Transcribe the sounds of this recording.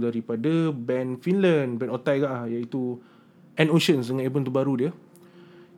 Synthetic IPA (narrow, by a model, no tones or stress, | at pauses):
daɾipadabɛnfinlanbɛnot̪ajɡaʔlahjait̪u | ʔɛ̃noʃənsdəŋãnebənt̪əbaɾudiə